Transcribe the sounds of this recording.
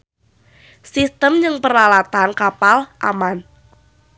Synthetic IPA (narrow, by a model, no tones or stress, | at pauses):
sist̪əmd͡ʒɨŋpəɾalat̪ankapalʔa̰man